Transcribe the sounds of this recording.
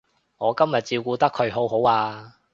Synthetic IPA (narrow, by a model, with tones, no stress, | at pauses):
ŋɔː˨˧kɐ˥mjɐ˨t̚t͡siː˧wkuː˧t̪ɐ˥kʰɵ˨˧ɥɦo˨˥wɦo˨˥waː˧